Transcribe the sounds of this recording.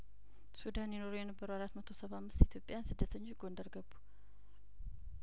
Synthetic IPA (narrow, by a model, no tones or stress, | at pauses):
sud̪anjɛno̞ɾojɛnəbːəɾəwaɾat̪mət̪ʰo̞səβamːɨst̪it̪ʰjo̞pʼːjansɨd̪ːət̪ʰəɲːoɡo̞nd̪əɾɡəbːu̥